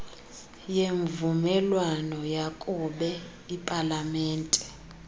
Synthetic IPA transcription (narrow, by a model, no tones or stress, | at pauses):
jeɱvumɛlwanɔjakʼuɓɛ | ipʼalamɛːntʼɛ̥